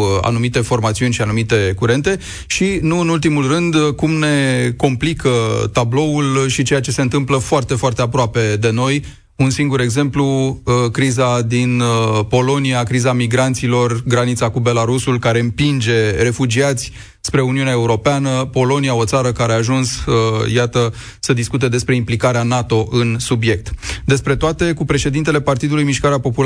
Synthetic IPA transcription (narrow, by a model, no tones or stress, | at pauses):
a̰numit̪e̞fo̞rmat̪siunʲʃianumit̪e̞kuɾe̞nt̪e̞ | ʃinuɨnult̪imulrɨnd̪kumne̞ko̞mplikʰət̪ablo̞ulʃit͡ʃe̞jat͡ʃe̞se̞ɨnt̪ɨmpləfoart̪e̞foart̪e̞apɾoape̞d̪e̞no̞j | unsiŋɡuɾe̞ɡze̞mpluəkɾizad̪inpo̞lo̞niakɾizamiɡɾant̪silo̞rɡɾanit̪sakube̞laɾusulkaɾe̞ɨmpind͡ʒe̞re̞fud͡ʒiat̪sʲ | spɾe̞uniuneaeuɾo̞peanəpo̞lo̞nijao̞t̪saɾəkaɾeaːʒunsjat̪ə | səd̪iskut̪e̞d̪e̞spɾe̞implikaɾeanat̪o̞ʔɨnsubje̞k̚t̪d̪e̞spɾe̞t̪oat̪e̞kupɾe̞ʃe̞d̪int̪e̞le̞part̪id̪ulujmiʃkaɾeapo̞pul